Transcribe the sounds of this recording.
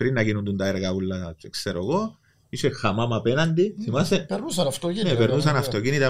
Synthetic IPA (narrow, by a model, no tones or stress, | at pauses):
pɾinːɐcinund̪unt̪ɐeɾɣɐulːɐt͡ʃekseɾoɣo̞ | isexɐmɐmɐpenɐnd̪iθimɐsenusɐnft̪onepeɾnus̬ɐnɐft̪o̞cinit̪ɐ